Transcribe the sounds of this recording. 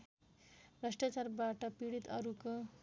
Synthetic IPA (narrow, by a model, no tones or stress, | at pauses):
brʌsʈat͡sarbaʈʌpiɽit̪ʌɾuko